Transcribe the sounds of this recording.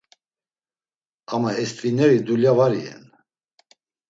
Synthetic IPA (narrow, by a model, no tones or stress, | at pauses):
amaɛst̪ʼvinɛɾid̪uljavaɾiɛ̰n